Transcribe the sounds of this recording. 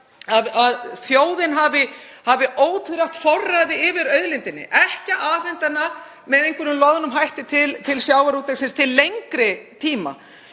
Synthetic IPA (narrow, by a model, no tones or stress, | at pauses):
aðaðθjoːwðɪnɦavɪ | havɪʔoːwt̪ʏɾaht̪fɔrːaðɪɪvɪɾœɥðlɪnt̪ɪnːɪ̰ʔɛhcaʔaːfɛnt̪ana | mɛðejŋkʏɾnʏmlɔɣðanʏmɦajht̪ɪt̪ʰɪlt̪ʰɪlsjaːwvaɾut̪eksɪnst̪ʰɪlːejŋkɾɪt̪ʰiːma̰